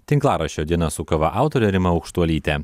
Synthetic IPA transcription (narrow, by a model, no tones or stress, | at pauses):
t̪ʲɪŋklˠɑːɾɐʃʲoːd̪ʲiɛnɐsʊkɐʋɐʔɑˑʊt̪oːɾʲɛɾʲɪmɐɐʊkʃt̪uɔlʲiːt̪ʲɛ